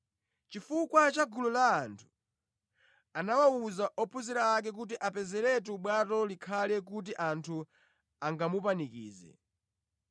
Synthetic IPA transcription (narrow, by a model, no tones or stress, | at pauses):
t͡ʃifukwat͡ʃaɡululaːntʰu̥ | anawauzaʔɔpʰuziɾaːk̬ɛk̬ut̬iʔapɛzɛɾɛt̬uɓwatɔlikʰalɛk̬ut̬iʔantʰu | aŋɡamupanikḭːzɛ̰